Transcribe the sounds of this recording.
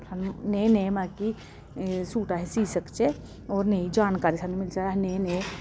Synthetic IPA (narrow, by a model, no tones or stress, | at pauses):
sʰannenemaːki | suːʈaɦɛsiːsəkt͡ʃe | ɔːɾneid͡ʒaːnkaːɾisanumɪlsaaɦnene